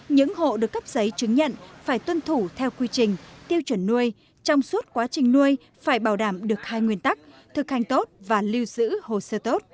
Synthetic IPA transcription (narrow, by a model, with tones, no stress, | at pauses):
ɲɨ̰˧˥ŋho̰˧˨ɗɨ˨˩əkːə˦˥p̚zə˨˦jt͡ɕɨ˨˦ŋɲə̰˧˨nfaː˧˩jt̪wə˧nt̪ʰu˧˩t̪ʰɛ˧wkwi˧t͡ɕï˨˩ŋ̟t̪i˧əwt͡ɕwə˧˩nːu˧əj | t͡ɕɔ˧wŋ͡msu˦˥ət̚kwaː˨˦t͡ɕï˨˩ŋ̟nu˧əj | faː˧˩jɓaː˧˩wɗaː˧˩mɗɨ˨˩ək̚haː˧jŋwi˧ənt̪a˦˥k̚t̪ʰɨ˨˩k̚ha˨˩ŋ̟t̪o˦˥t̚vaː˨˩li˧wzɨ̰˧˥ho̰˧˨səː˧t̪o˦˥t̚